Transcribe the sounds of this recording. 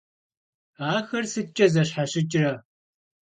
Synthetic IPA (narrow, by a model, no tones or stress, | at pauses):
aːxɐrsɨt͡ʃʼɐzɐɕħaɕɪt͡ʃʼɪrɐ